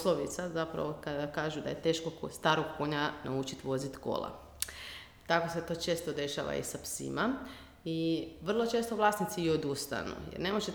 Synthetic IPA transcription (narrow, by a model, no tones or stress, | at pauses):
sloʋit̪sazapɾa̰ʋokad̪akaːʒud̪aje̞t̪e̞ːʃkost̪aːɾoɡko̞ɲanaut͡ʃit̪ʋo̞zit̪ko̞̰lˠa̰ | t̪ako̞set̪o̞ːt͡ʃe̞ːst̪o̞d̪e̞ʃa̰ʋa̰ḭsapsḭma | iʋr̩lˠo̞t͡ʃe̞ːst̪oʋlˠaːsnit̪siːod̪ust̪a̰nṵjḛɾne̞moʒe